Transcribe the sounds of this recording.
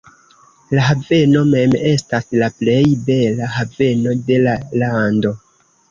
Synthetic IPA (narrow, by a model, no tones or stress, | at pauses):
laɦave̞no̞me̞me̞staslaple̞jbe̞lahave̞no̞de̞lalando̞